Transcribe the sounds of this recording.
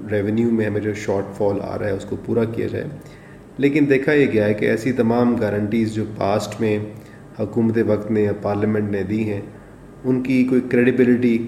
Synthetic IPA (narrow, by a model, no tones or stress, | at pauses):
ɾɛːʋɛnjumẽɦɐmẽd͡ʒoːʃɔːɾʈfɔːla̰ːɾaɦɛʊskopuːɾakija̰d͡ʒa̰ːḛ | leːkɪnd̪eːkʰajeɡɪjaɦɛkeɛːsit̪ɐmaːmɡɛːɾə̃ɳʈiːzd͡ʒoːpaːsʈmẽ | hɐkuːmət̪eʋɐkt̪nepaːɾləmɛ̃ɳʈned̪iɦɛ̃ː | ʊnkikoːikɾeːɖɪbɪlɪʈi